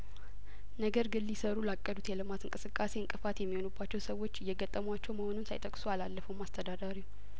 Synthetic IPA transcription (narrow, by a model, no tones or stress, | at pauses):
nəɡəɾɡɨlːisəɾulakʼːəd̪ut̪jɛlɨmat̪ɨŋkʼɨsɨkʼːase̞ɨŋkʼɨfat̪jɛmːiho̞nubːat͡ʃːɛwsəwːo̞t͡ʃːɪjːɛɡət̪ʼːəmwat͡ʃːɛwməho̞nunsa̰jt̪ʼəkʼsualalːəfəwmːast̪ʰəd̪ad̪aɾi